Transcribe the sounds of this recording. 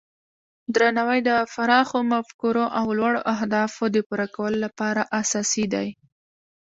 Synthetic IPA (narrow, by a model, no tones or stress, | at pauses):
d̪ɾanawajd̪əfaɾɑxomafkuɾoʔawlwaɽo̰ʔaɦd̪ɑfod̪əpuɾakawəlolapɑɾaʔasɑsid̪a̰j